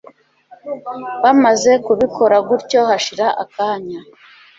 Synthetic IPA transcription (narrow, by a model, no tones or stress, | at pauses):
βamaze̞kuβikʰo̞ɾaɡuɾco̞haʃiɾaʔa̰kaːɲa